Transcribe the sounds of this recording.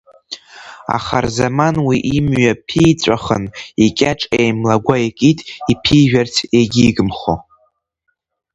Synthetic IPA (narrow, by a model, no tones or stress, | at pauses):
a̰χarzamanwiʔimɥapʰijt͡sʷʼaχə̰nikʲʼaʈ͡ʂʼejmlaɡʷaekʼitʼipʰiʒᶣartʰeɡʲiːɡɨmχo̰